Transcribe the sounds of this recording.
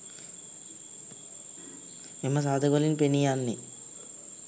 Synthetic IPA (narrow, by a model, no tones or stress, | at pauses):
mimːɐs̬aːd̪ʱɐɡolinpenijaːnːi